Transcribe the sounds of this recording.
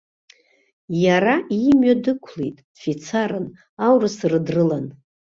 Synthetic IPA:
jaɾaimɥadɨkʷʰlejtʼd̥fit͡sʰaɾɨn | awrɨsrɨdrɨlan

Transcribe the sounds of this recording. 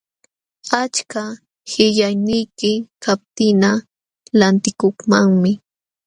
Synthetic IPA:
at͡ʃka | hɪʎajnɪjkɪkʰap̚t̪ɪna | lant̪ɪkoχmaŋmɪ

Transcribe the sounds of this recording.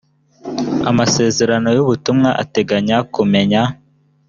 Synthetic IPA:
amase̞ːze̞ɾano̞juβutumŋaʔa̰te̞ɡaɲakume̞ɲa

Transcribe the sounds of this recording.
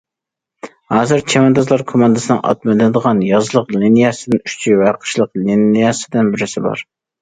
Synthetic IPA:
hɑːzɨɾt͡ʃʰɛmɛnd̪ɑzlˠɑɾkʰomɑnd̪ɨsɨnɨ̰ŋɑ̰t̪̚mɨd̪ɨd̪əʁɑnjɑzlˠəqlinijɑsɪd̪ɪny̥ʃt͡ʃʰivæqʰə̥ʃlˠəqlinijɑsɪd̪ɪnbɪɾɪsɪbɑ̰ɾ

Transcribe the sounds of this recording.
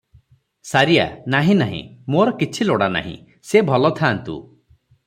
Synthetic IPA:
saɾija̰naɦĩnaɦḭ̃moɾɔkit͡ʃʰiloɽana̰ɦḭ̃ | sebʱɔlɔt̪ʰaːnt̪ṵ

